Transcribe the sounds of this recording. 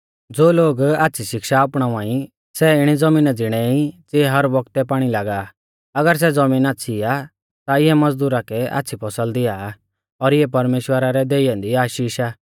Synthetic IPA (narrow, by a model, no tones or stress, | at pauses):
d͡zoːloːɡaːtːsʰiʃɪkʃaːpɽ̃ããːĩ | sɛɪɽ̃id͡zɐmĩːnad͡zɪɽ̃ɛit͡seːɦɐɾbɔkt̪ɛpaːɽ̃ilaːɡa | ɐɡəɾs̬ɛd͡zɐmĩːnaːtːsʰia | t̪aɪɦɛmɐd͡zd̪uːɾakɛa̰ːtːt͡sʰipʰɔsəld̪ɪjaː | ɔɾɪɛpɐɾmeːʃwəɾaɾɛd̪eːɪjãnd̪iaːʃiːʃaː